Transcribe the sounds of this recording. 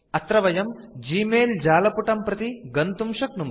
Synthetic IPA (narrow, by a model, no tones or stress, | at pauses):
ɐt̪ɾɐʋɐjɐm | d͡ʒiːmeːld͡ʒaːlɐpuʈɐmpɾɐt̪iɡɐnt̪umʂɐknum